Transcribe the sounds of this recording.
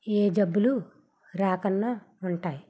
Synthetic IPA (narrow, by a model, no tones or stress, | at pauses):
eːd͡ʒɐbːulu | ɾaːkɐnːa | uɳʈaːji